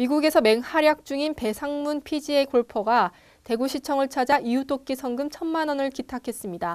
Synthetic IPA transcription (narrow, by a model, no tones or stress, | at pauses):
miɡuɡe̞sʰʌme̞ŋhaɾjak̚t͡ɕ͈uŋinpe̞sʰaŋmunpʰid͡ʑie̞koɭpʰʌɡa | te̞ɡuɕʰit͡ɕʰʌŋɯɭt͡ɕʰad͡ʑaʔijut͈ok̚k͈isʰʌŋɡɯmt͡ɕʰʌnmanʌnɯɭkitʰakʰe̞s͈ɯmɲida